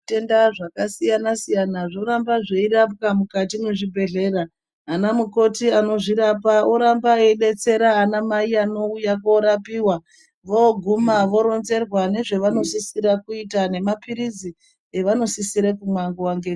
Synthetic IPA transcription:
te̞ndaʐakasijanasijanaʐo̞ɾambaʐe̞irapkamukatimeʐibʱe̞ɮe̞ːraː | namuko̞tiano̞ʐiɾapaoɾambaeɗe̞t͡se̞ɾaːnamaiano̞ujakoɾapiːwa | ʋo̞ɡʱumaʋo̞ɾo̞nze̞rwane̞ʐe̞ʋano̞sisiɾakuitane̞mapiɾid͡zi | e̞ʋano̞sisiɾekumwaŋɡowaŋɡe

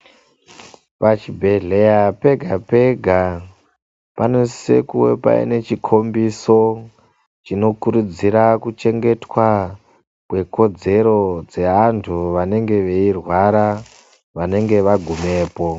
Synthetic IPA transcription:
pat͡ʃibʱe̞ɮe̞jape̞ɡʱape̞ɡʱa | panesḛkuwe̞̰pa̰ḭne̞t͡ʃikʰo̞mbiso̞ | t͡ʃino̞kuɾud͡ziɾakut͡ʃe̞ŋɡe̞twa | kwe̞ko̞d͡ze̞ɾo̞d͡ze̞antʰuʋane̞ŋɡe̞ʋe̞irwaɾa | ʋane̞ŋɡe̞ʋaɡʱume̞ːpo̞

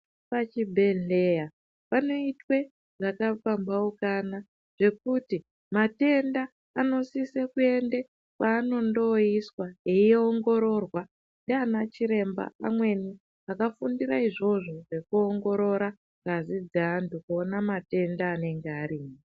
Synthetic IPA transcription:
pat͡ʃibʱe̞ɮe̞ja | pano̞itwe̞ | ʐakafambaukana | ʐ̥e̞kuti | mate̞ndaː | no̞sisekue̞nde | kwaːno̞ndo̞iswaeoŋɡo̞ɾo̞rwa | ndeanat͡ʃiɾe̞mba̰a̰mwe̞ni | akafundiɾaiʐo̞ʐo̞ʐe̞kuo̞ŋɡo̞ɾo̞ɾa | razid͡zeantukuonamate̞ndaːne̞ŋɡeaɾiːmi

